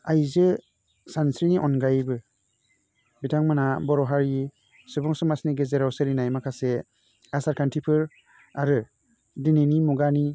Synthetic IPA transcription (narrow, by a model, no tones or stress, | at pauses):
ajzɯ | sansɾiniʔɔnɡajbɯ | bitʰaŋmɯnabɔɾɔɦaɾi | sɯbɔŋsɯmasniɡezeɾawsɯɾinajmakʰase | asaɾkʰantʰipʰɯɾ | aɾɯ | dinenimuɡani